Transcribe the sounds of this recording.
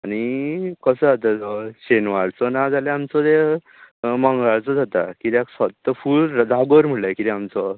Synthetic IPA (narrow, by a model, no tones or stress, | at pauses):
aɽ̃ikəsəd͡zat̪ad͡zɔɕenʋaɭt͡sɔnad͡zalẽamt͡sɔd̪e | mãŋɡaɭt͡sɔd͡zʱat̪akit̪aksɔt̪ːəfuɭd͡zaɡɔɾm̤əɭlakit̪iamt͡sɔ